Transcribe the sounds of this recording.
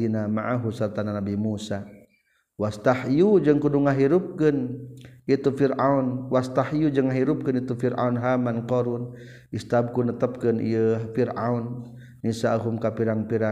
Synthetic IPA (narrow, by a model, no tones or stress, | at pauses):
inamaʔaɦusərt̪ananabimusa | wast̪ahjud͡ʒəŋkuduŋaɦiɾup̚kənit̪ufiɾaunwast̪ahijud͡ʒəŋːaɦiɾup̚kənit̪ufiɾa̰unɦamankɔɾun | ʔist̪ab̚kunət̪əp̚kənʔḭjəfiɾa̰unː | isaɦumkapiɾaŋpiɾa